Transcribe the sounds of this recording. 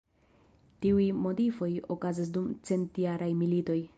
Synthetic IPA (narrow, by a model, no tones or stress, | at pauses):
tiujmo̞tifo̞jo̞kazis̬dumt͡se̞ntjaɾʔajmilito̞j